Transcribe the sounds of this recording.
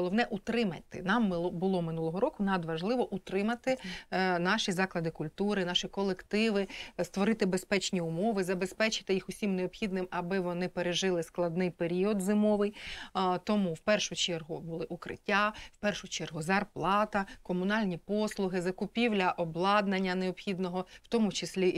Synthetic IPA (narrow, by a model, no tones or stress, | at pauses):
ɔlˠɔʋnɛʔʊt̪ɾɪmɐ̰t̪ɪ̰nɑmːˠbʊlˠɔmɪnulˠɔɦɔɾɔkʊnɐd̪ʋɐʒlˠɪʋɔʔut̪ɾɪmɐt̪ɪnɑʃizɑklˠɐd̪ɪkʊlʲt̪uɾɪnɑʃikɔlˠekt̪ɪʋɪst̪ʋɔɾɪt̪ɪbespɛt͡ʃnʲiʊmɔʋɪzɐbe̞spɛt͡ʃɪ̥t̪ɪjixʊsʲimneɔbxʲid̪nɪmɐbɪʋɔnɪpeɾeʒɪlˠɪsklˠɐd̪nɪjpeɾʲiɔd̪zɪmɔʋɪjt̪ɔmuwpɛrʃʊt͡ʃɛrɦʊbʊlˠɪʔukɾɪ̰tʲːawpɛrʃʊt͡ʃɛrɦʊzɐrplˠɑt̪ɐkɔmʊnɑlʲnʲipɔslˠʊɦɪzɐkʊpʲiwlʲɐʔɔblˠɑd̪nɐnʲːɐneɔbxʲid̪nɔɦɔwt̪ɔmʊt͡ʃɪsʲlʲi